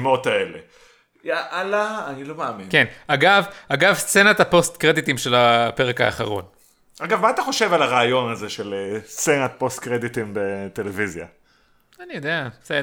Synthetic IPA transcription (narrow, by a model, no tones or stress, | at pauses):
mot̪aele | jaʔalaːnilo̞maːminkenaɡavaɡavst͡se̞nat̪apo̞st̪kʁe̞d̪it̪imʃe̞lape̞ʁeka̰ːχaʁo̞̰n | ʔaɡavmaːt̪aχo̞ʃe̞valaʁaːjo̞naze̞ʃelst͡senat̪̚po̞st̪kʁed̪it̪imbet̪elevizja̰ | anijod̪ease